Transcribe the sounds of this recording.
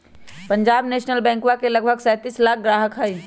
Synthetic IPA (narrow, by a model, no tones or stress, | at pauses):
pə̃ɲd͡ʒaːbneːʃnəlbɛ̃ːŋkwakelɐɡbʱəɡsɛːt̪iːslaːk̚ʰɡɾaːɦəkɦɛi